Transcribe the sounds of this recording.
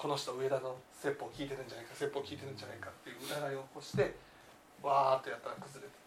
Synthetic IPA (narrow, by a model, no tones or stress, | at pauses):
ko̞noɕi̥t̪oɯ̟e̞d̪ano̞se̞pːo̞kʲiːt̪e̞ɾɯ̟ɲ̟d͡ʑanaikase̞pːo̞ːkʲiːt̪e̞ɾɯ̟ɲ̟d͡ʑanaikat̪ːe̞jɯ̟ːɾaɡaio̞ko̞ɕi̥t̪e̞ | βaːt̪ːo̞jat̪ːaɾakɯ̟zɨɾet̪e̥